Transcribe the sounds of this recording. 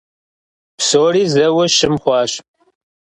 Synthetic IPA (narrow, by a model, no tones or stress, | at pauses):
psoːriːzɐwɐʃɪmχʷɑːɕ